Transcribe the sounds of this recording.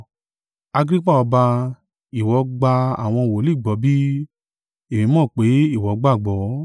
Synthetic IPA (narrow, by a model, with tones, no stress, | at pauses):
a˧ɡɾi˦k͡pa˦˨ɔ˧ba˧ | i˨wɔ˨˦ɡ͡ba˧a̰˨w̃ɔ̃˧wo˨˦li˦˨ɡ͡bɔ˨˦bi˦ | e˨mĩ˨˧mɔ̃ː˦˨k͡pe˨˦i˦˨wɔ˨˦ɡ͡ba˦˨ɡ͡bɔ˨˦